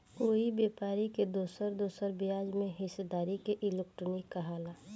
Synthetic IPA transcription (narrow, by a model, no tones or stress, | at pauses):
oːibeːpaːɾiked̪oːsəɾd̪oːsəɾbijaːd͡ʒmẽɦɪsed̪aːɾikeʔɪlek̚ʈnikəɦaːlaː